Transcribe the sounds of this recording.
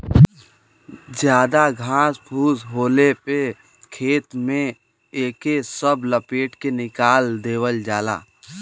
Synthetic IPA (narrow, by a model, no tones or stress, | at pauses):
d͡ʒjaːd̪aɡʱãːsbʱuːsɦoːlepe | kʰeːt̪mẽ | eːkesəbləpeːʈkenɪkaːld̪eːwəld͡ʒaːla̰ː